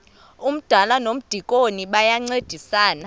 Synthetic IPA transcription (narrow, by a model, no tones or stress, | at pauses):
um̩d̥ʱalanom̩d̥ʱikʼoniɓajaŋ͡ǀed̥ʱisaːna